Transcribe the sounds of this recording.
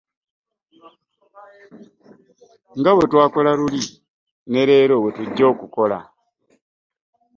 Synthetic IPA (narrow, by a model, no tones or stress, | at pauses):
ŋɡawe̞twaːko̞laluli | ne̞ɾe̞ːɾowetuɟːo̞ːkuko̞la̰